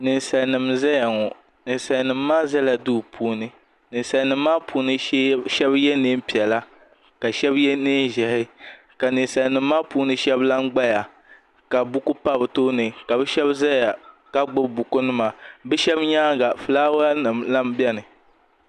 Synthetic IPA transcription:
nɨ˨n˨sa˨lnɨ˨mza˦ja˨ŋɔ˨ | nɨ˨n˨sa˨lnɨ˨mː˦aː˦za˦la˨du˦˨pʰuː˦nɨ˦ | nɨ˨n˨sa˨nɨ˨mː˦aː˦puː˦nɨ˦ʃɛ˦bjɛ˦nɨ˦m̩˦pi˨ɛ˨la˦ | ka˨ʃɛ˦bjɛ˦nɨ˦ʒɛ˨hɪ˦ | ka˨nɨ˨n˨sa˨lnɨ˨mː˦aː˦puː˦nɨ˦ʃɛ˦bla˦ŋ˦ɡ͡ba˦ja˨ | ka˨bu˦ku˦pa˦bɨ˨to˦nɨ˨ka˨bɛ˦ʃɛ˦bza˦ja˨ka˦ɡ͡bʊ˦bu˨ku˦nɨ˦ma˨bɛ˦ʃɛ˦bɲaː˦ɡa˨fɨ˨laː˦wɨ˨mla˦m˦bɛ˦nɨ˨

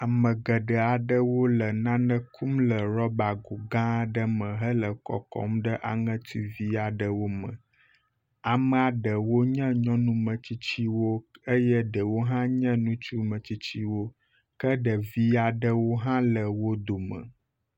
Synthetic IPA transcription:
a˨mə̃˨ɡə˨ɖə˨a˨ɖə˦wo˦lə˨nã˦nə̃˦kʰu˦mlə˨ɾɔ˦ba˨ɡo˨ɡã˦ɖə˦mə̃˨ɦə˦lə˨kɔ̰˨kɔ̰˦mɖə˦ʔa̰˨ŋə̃˦t̪i˦vi˦a˨ɖə˨wo˦mə̰̃˨ | a˨mə˨a˨ɖə˨wo˦ɲə̃˦ɲɔ̃˦nũ˦mə̃˨t͡ɕi˦t͡ɕi˦wo˦ə˦jə˦ɖə˨wo˦ɦã˦ɲə̃˦nũ˦t͡ʃu˦mə̃˨t͡ɕi˦t͡ɕi˦wo˦ | kə˦ɖə˨vi˦a˨ɖə˦wo˦ɦã˦lə˨wo˦d̪o˨mə̰˨

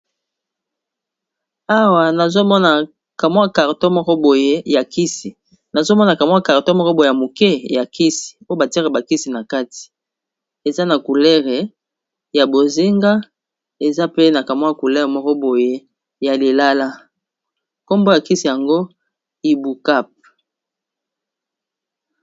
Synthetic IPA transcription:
a˦wa˨na˨zo˦mɔ˦na˨ | ka˨mwa˦ka˨ʁto˦mɔ˦kɔ˦bo˨je˦ja˨ki˦si˨ | na˨zo˦mɔ˦na˨ka˨mwa˦ka˨ʁto˦mɔ˦kɔ˦bo˨e˨a˨mo˨kɛ˦ja˨ki˦si̥˨o˦o˦ba˨ti˦ʁe˨ba˨ki˦si˨na˨ka˦ti̥˨ | e˨za˦na˨ku˨lɛ˦ʁe˨ | ja˨bo˨zi˦ŋɡa˦ | e˨za˦pe˦na˨ka˨mwa˦ku˨lɛ˦ʁe˨mɔ˦kɔ˦bo˨je˦ | ja˨li˨la˦la˦ | ko˦mbo˦ja˨ki˦si˨ja˨ŋɡo˦ | i˨bu˨ka˦p̚

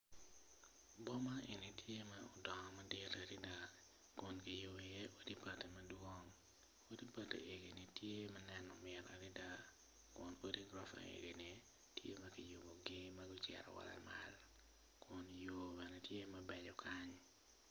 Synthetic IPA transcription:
bɔ˦ma˦ʔe˨ni˨tʰje˦ma˦ɔ˨dɔ˨ŋɔ˨ma˦dɪ˦ɾa˨ɾi˦da˨ | kʊ˨nkɪ˨jo˨be˨je˦ʔo˦di˦pa˨te˨mɐ˦dwo˦ŋ | o˦di˦pa˨tḛ˨ʔe˨ɡi˨nɪ˨tje˦ma˦nɛ˦nɔ˨mɪ˨ɾa̰˨ɾi˦da˦ | kʊ˨no˦di˦ɡɾa˦fa̰˨ḛ˨ɡi˨ni˨ | tje˦mɐ˦ki˨jʊ˨bo˨ɡɪ˦mɐ˦ɡʊ˦t͡ʃjɛ̰˨ɾɔ̰˨wa̰˨la̰˨ma̰l | kʰʊ˨njo˨bɛ˨nɛ˨tje˦ma˦bɛ˨d͡ʒɔ˨kʰa˦ɲ

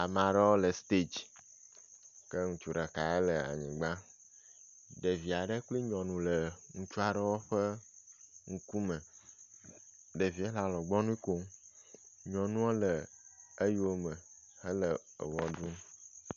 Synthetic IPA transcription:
a˨mã˨ɖə˦wo˦lə˨st̪e˦d͡ʒ | kə˦ŋũ˨t͡ʃu˨ɖa˨ka˨e˦lə˨a̰˨ɲḭ̃˨ɡ͡ba˦ | ɖe˨vi˨a˨ɖə˦k͡pli˦ɲɔ̃˨nũ˨lə˨ŋũ˨t͡ʃu˦a˨ɖə˦wo˦ɸə˦ | ŋ̩˦ku˦mə˨ | ɖə˨vi˨˦e˦la˨lɔ˨ɡ͡bɔ˦nũ˦ko˦m | ɲɔ̃˨nũ˦o˦lə˨e˦jwo˦mə˨ | hə˦lə˨ə̰˨wɔ˨du˦

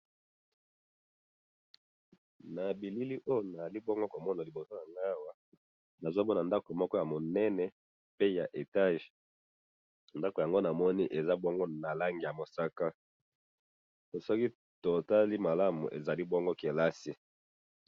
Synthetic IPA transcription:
na˨bi˨li˦li˦ʔo˦jo˨na˨a˨li˦bɔ˦ŋɡo˦ko˨mɔ˦na˨li˨bo˨so˦ja˨ŋɡa˦wa˦ | na˨zo˦mɔ˦na˨nda˦ko˨mɔ˦kɔ˦ja˨mo˨nɛ˦nɛ˨ | pe˦ja˨ʔe˨ta˦ʒ | nda˦ko˨ja˨ŋɡo˦na˨mɔ˦ni˦ʔe˨za˦bɔ˦ŋɡo˦na˨la˦ŋɡi˨ja˨mo˨sa˦ka˦ | o˨sɔ˦ki˦ | to˨ta˦li˦ma˨la˦mṵ˨ʔḛ˨za˨li˦bɔ˦ŋɡo˦ke˨la˦si˦

